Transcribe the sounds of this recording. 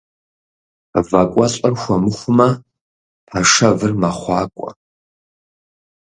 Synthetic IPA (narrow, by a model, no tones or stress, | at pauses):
vakʷʼɐɕʼɐrxʷɐmɨχʷʊmɐ | pʰɐʂɐvɨrmɐχʷɑːkʷʼɔ̰